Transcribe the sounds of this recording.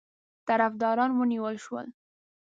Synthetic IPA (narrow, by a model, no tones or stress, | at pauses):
t̪aɾafd̪ɑɾɑnwəniwəlʃwə̰l